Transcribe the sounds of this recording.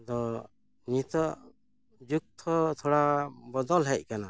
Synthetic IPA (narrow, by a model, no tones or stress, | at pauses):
d̪ɔ | ɲit̪ɔ | d͡ʒuk̚t̪ʰɔt̪ʰɔɽabɔd̪ɔlɦɛc̚ˀkana